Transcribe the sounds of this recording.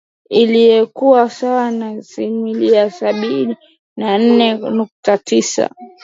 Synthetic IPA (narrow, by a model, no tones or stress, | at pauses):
ilijɛkuwasawanasimiliasaɓini | nan̩nɛnuk̚tatisa̰